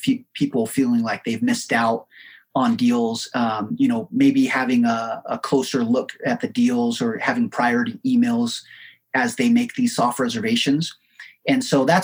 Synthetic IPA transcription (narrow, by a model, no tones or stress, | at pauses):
fpʰipl̩ˠfilˠɪ̃ŋlaɪk̚ðeɪvmɪstaʊɾ | n̩dilˠz̥ʌ̃jɨñoʊmeɪbihævɪ̃ŋəə̰kʰl̥oʊsə˞lʊkɨt̪̚ðɨdilˠzə˞hævɪ̃ŋpʰɹ̥aɪɔɹɨɾiʔimeɪlˠz̥ | ɨzðeɪmeɪk̚ðiz̥sɔft̚ɹɛzə˞veɪʃɨ̃nz̥ | ɨ̃nsoʊðæt